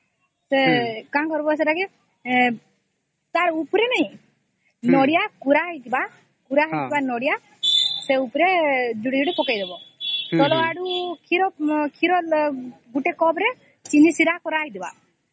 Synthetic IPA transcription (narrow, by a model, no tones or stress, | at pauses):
sekaãkɔɾbɔes̬ɛʈake | t̪aɾupɾenɛĩ | nɔɽijakuɾaɦjt̪iba | kuɾaɦt̪ibanɔɽija | seupɾed͡ʒuɽid͡ʒuɽipɔkajd̪ebɔt̪ɔlɔaɽukʰiɾɔkʰiɾɔlɡuʈekɔbɾe | t͡ʃinisiɾakɔɾajd̪iba̰